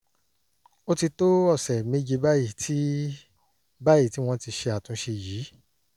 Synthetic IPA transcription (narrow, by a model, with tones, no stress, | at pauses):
o˦ti˧to˦ɔ˦˨sɛ˨me˦d͡ʒe˧ba˦ji˦˨tʰi˦ | ba˦ji˦˨ti˦w̃ɔ̃˦ti˧ʃe˧a˨tũ˨˦ʃe˧jiː˨˦